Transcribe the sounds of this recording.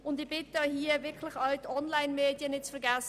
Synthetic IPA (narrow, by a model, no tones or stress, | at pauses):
ʊndɪb̥ɪtɑhiːɐvɪɐkʰlɪçɑltɔnlaɪnmeːdjənɪtt͡sfɛɐɾɡɛs